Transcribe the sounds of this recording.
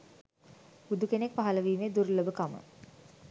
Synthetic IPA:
bud̪ukenek̚paɦɐləʋiːmed̪uɾləbəkamə̰

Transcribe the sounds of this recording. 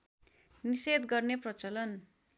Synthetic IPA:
nised̪ɡʌrneprʌt͡sʌlʌn

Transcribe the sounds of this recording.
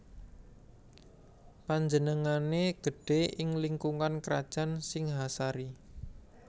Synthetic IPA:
paɲd͡ʒənəŋaneɡ̥əɖ̥e̤ʔɪŋliŋkuŋankɾa̰d̥ʒ̥a̤nsɪŋɦasaɾi

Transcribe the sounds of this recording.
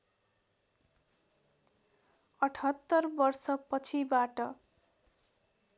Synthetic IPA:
ʌʈʰʌt̪ːʌrbʌrsʌpʌt͡sʰibaʈʌ

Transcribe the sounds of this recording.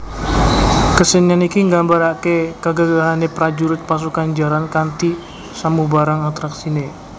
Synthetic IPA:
kəsəɲanikiŋɡambaɾakekəɡaɡaɦanepɾad͡ʒuɾʊt̪̚pas̬ukand͡ʒaɾankant̪i | samubaɾaŋat̪ɾaksine

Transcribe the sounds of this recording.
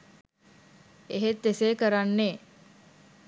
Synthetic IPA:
eɦet̪ːeseːkəɾanːeː

